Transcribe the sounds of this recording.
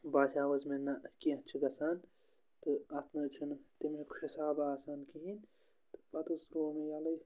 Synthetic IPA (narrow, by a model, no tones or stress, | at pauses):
baːsaːwɐzmenɐkiɐ̃t͡ʃʰiɡɐsaːn | t̪ɨɐt̪ʰnɐt͡ʃʰunt̪imekʰhisaːbaːsaːnkiɦin | t̪ɨ̥pɐt̪usɾoːmejalɐj